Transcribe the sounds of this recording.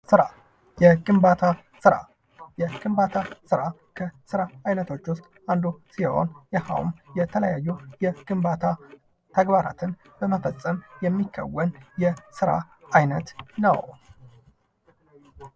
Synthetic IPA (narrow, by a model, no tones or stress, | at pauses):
sɨɾa | jɛɡʼɨmbat̪ʰa | sɨɾa̰ | jɛɡʼɨmbat̪ʰasɨɾa | kʰəsɨɾaajnət̪ʰo̞t͡ʃːwʊst̪ʼ | and̪usiho̞̰njɛha̰wmjɛt̪ʰələjajːujɛɡ̥ʼɨmbat̪ʰa | t̪ʰəɡbaɾa̰t̪ʰɨn | bəməfəsʼːəmjɛmːikʰːə̰wːənjɛsɨɾa̰ | ajnət̪nə̰w